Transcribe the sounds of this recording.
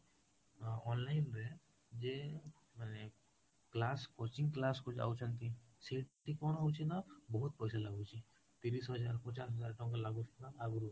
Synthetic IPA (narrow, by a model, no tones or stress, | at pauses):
ɔːnlaːɪnɾɛ | d͡ʒe | mɛːne | klaːskoːt͡ʃɪ̃ŋɡklaːskʊt͡ʃa̰ːt͡ʃʰənt̪iseːʈʈ̪ikɔːnɦaut͡ʃʰinabɔɦʊt̪pɐɪsalaɡut͡ʃi | t̪iːɾiːsɦɐd͡ʒaːɾpɐt͡ʃaːsɦɐzaːɾʈõk̬alaɡuskaaɡɾu